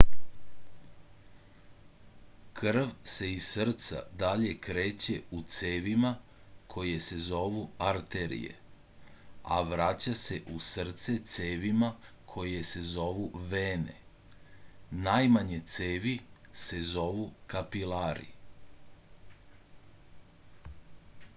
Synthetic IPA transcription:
kʰr̩ʋse̞isr̩t̪sa̰d̪aʎe̞kɾe̞ːt͡ɕe̞ut̪seːʋima | kʰo̞jese̞zo̞ʋuaɾt̪e̞ɾḭjḛ | a̰ʋɾat͡ɕase̞ʔusr̩t̪se̞t̪seːʋima | kʰo̞jese̞zo̞ʋuʋeːnḛ | najmaɲe̞t̪seːʋise̞zo̞ʋukapilaɾḭ

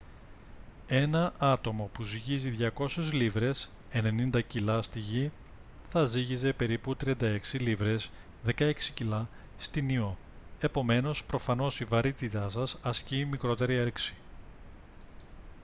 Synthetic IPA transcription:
e̞nɐʔɐt̪o̞mo̞puziʝiziðʝɐko̞sezlivɾe̞s | e̞ne̞nind̪ɐcilɐst̪iʝi | θɐziʝize̞pe̞ɾiput̪ɾiɐnd̪ɐe̞ksilivɾe̞s | ðe̞kɐe̞ksi̥cilɐ | st̪inio̞ | e̞po̞me̞no̞spɾo̞fɐno̞sivɐɾit̪it̪ɐsɐsɐscimikɾo̞t̪e̞ɾieɾksi̥

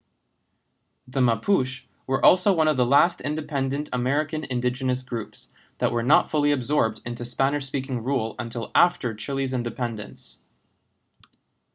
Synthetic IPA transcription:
ðəməpʰuʃ | wə˞ʔɔlˠsoʊwʌ̃ñʌvðəlæstɪ̃ndɨpʰɛ̃ndɨ̃ntʰəmɛɹɨkɨ̃nɨ̰̃ndɪd͡ʒɨnɨs̬ɡ̥ɹʉps | ðəʔwə˞nətfʊlˠiɨbzɔɹb̚dɪ̃ntʉspæñɨʃspikɪ̃ŋɹulˠə̃ntʰɪlˠæftə˞t͡ʃʰɪlˠizɪ̃ndɨpʰɛ̃ndɨ̰̃ns

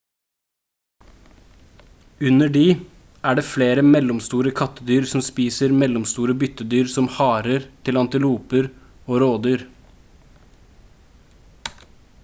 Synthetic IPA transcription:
ʉnəɖiː | ʔæːɖeːfleːɾəmɛlɔmst̪uːɾəkʰɑt̪əd̪yːɾsɔmspiːsəɾmɛlɔmst̪uːɾəbʏt̪əd̪yːɾsɔmhɑːɾəɾt̪ʰɪlɑnt̪ɪluːpəɾ | oːɾoːd̪yːɾ

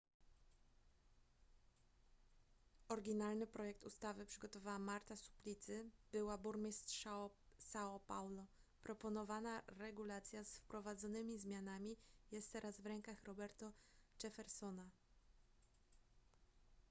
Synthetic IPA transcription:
ɔɾɡʲinalnɘpɾɔjɛk̚t̪ust̪avɘpʂɘɡɔt̪ɔvawamaɾt̪asu̥plʲit̪sɘb̥ɘwabuɾmʲist̪ʂsaɔpawlɔ | pɾɔpɔnɔvanaɾɛɡulat̪sʲjasfpɾɔvad̪zɔnɘmʲizmʲjanamʲijɛst̪t̪ːɛɾazvɾɛŋkaxɾɔbɛɾt̪ɔt͡ʂɛfɛɾsɔna

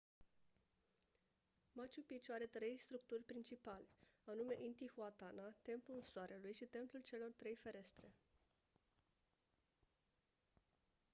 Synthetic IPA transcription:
mat͡ʃupit͡ʃaɾe̞t̪ɾe̞jst̪ɾuk̚t̪urʲpɾint͡ʃipale̞anume̞ʔint̪ixuat̪anat̪e̞mplulsoaɾʔelujʃit̪e̞mplult͡ʃe̞lo̞rt̪ɾe̞jfe̞ɾe̞st̪ɾe̞

